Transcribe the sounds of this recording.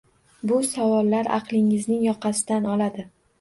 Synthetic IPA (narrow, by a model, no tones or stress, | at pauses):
bʊsavɒlːaɾɑ̰qlˠɪŋɪznɪŋjɒqʰɑsɪd̪anɒlad̪ɪ